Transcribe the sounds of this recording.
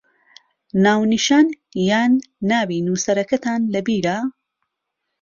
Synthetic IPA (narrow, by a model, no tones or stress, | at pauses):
naːwniʃaːn | jaːnːaːwiːnuːsɐɾɐkɐt̪ʰaːnlɐbiːɾa